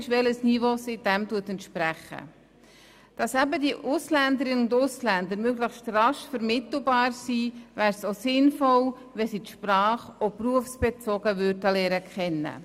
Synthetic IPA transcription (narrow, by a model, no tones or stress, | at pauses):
ʃʋɛləsnivoːsid̥ɛmtuətɛntʃpɾæχə̰ | d̥ɑsæbədiəʔʊslændəɾɪnəʊndʊslænd̪əɾmøɡləχstrɑʃfəɾmɪtl̩bɑːɾsiːvæːɾsosɪnfɔl | ʋɛsit̪ʃpɾɑːχɔpruəfsb̥ɛt͡sɔɡ̥əʋʏɾdəlɛːɾəkχɛnːə̰